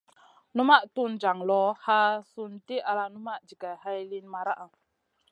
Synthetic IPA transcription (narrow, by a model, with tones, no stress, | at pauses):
nu˦ma˦ʔtu˦nd͡ʒa˨ŋlɔ˦ha˦su˦nti˦ʔa˨la˧nu˦ma˦ʔd͡ʒi˨ɡa˨ha˦jli˦nma˨ɾa˦ʔa˨